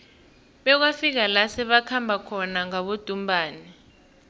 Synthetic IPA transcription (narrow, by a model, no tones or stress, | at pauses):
ɓɛk̬wafik̬alasɛɓakʰambʱakʰɔnaŋaɓod̥ʱumbʱaːni